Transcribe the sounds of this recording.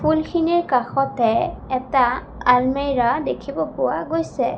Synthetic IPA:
pʰulxʰinɛɹkaxɔtɛɛta | almejɹadekʰibɔpʊwa̰ɡojsɛ

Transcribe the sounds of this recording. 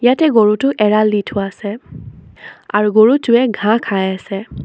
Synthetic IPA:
jatɛɡoɹutʊʔɛɹalːitʰʊasɛ | aɹuɡoɹutʊɛɡʱãkʰajasɛ

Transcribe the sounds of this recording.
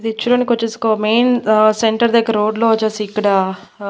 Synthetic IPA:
id̪it͡ʃːuɾoːnikot͡ʃːesi̥komejnseɳʈɐɾd̪ekːɐɾoːɖloʋɐt͡ʃːɐsiːkːɐɽɐ

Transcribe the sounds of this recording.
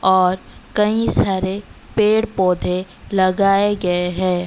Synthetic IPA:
ɔːɾ | kɐĩsaːɾe | peːɽpoːd̪ʱe | lɐɡaːeɡɐeɦɛː

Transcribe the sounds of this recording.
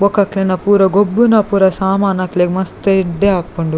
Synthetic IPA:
bokɐklenɐpuːɾɐɡobːunɐpuːɾɐsaːmaːnɐkleɡmɐst̪eɖːeɐpːuɳɖu

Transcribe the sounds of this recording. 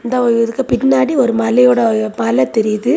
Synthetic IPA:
ɪnd̪ɐɔɛðɯkːɐpɪnːaːɽiɔɾɯmɐlɐjoːɽɐpɐlɐt̪ɛɾɪjðɯ

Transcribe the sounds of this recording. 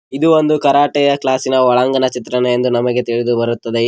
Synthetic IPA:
id̪uʋond̪ukɐɾaːʈɛjɐklaːsinɐʋɐɭɐŋɡɐnɐt͡ʃit̪ɾɐneend̪unɐmɐɡe̞t̪iɭid̪ubɐɾut̪ːɐd̪e̞

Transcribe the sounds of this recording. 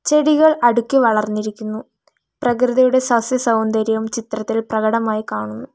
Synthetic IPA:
t͡ɕe̞ɽiɣɐɭɐɽukʲːɨʋɐɭɐrnːiɾikʲːunːu | prɐkrɨðɐjuɽe̞sɐsjɐsɐwnd̪ɐɾjɐʋumt͡ɕit̪rɐt̪ːilprɐɣɐɽɐmaːjikaːɳunːu

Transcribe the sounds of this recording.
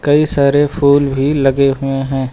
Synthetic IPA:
kɐisaːɾepʰuːlbʱilɐɡeɦʊeɦɛ̃ː

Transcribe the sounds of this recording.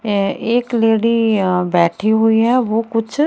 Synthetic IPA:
eːkleːɽibɛːʈʰiɦʊiɦɛʋoːkʊt͡ʃʰ

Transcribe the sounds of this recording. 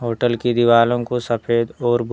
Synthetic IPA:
ɦoːʈəlked̪ɪʋaːlõkosɐpʰeːd̪ɔːɾb

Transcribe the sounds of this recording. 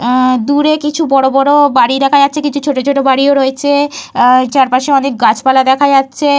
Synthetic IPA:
d̪uɾekit͡ɕʰubɔɽobɔɽobaɽid̪ɛkʰajatːɕʰekit͡ɕʰut͡ɕʰoʈot͡ɕʰoʈobaɽioɾoet͡ɕʰe | t͡ɕaɾpaʃeɔnek̚ɡat͡ɕʰpalad̪ɛkʰad͡ʑatːɕʰe

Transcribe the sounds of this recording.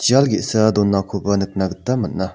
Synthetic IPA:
t͡ɕalɡeʔsəd̪onːakʰopanək̚naɡət̪ːamənːa

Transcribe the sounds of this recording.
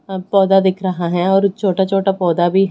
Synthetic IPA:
pɔːd̪ad̪ɪkʰɾɐɦaɦɛ̃ɔːɾt͡ʃʰoːʈat͡ʃʰoːʈapɔːd̪abʱiɦ

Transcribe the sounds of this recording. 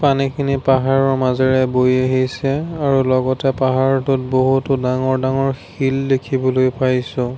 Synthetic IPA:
panikʰinipaɦaɹɔɹmazɛɹɛbojaɦisɛaɹulɔɡɔtɛpaɦaɹtʊt̚boɦutʊdaŋɔɹdaŋɔɹx | ildekʰibɔlojpajsʊ̃

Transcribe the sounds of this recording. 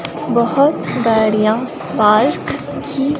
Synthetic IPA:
bɐhʊt̪d̪aːɾijã | baːɾk | kʰi

